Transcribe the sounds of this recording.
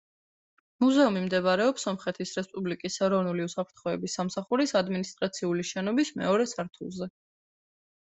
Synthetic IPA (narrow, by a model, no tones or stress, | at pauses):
muzɛumimd̪ɛbɾɛɔpsɔmχɛt̪ʰisɾɛspʼublikʼisɛɾɔvnuliusapʰɾt̪ʰχɔɛbisːamsaχuɾisad̪minist̪ʼɾat̪sʰiuliʃɛnɔbismɛ̰ɔɾɛsaɾt̪ʰṵlˠzɛ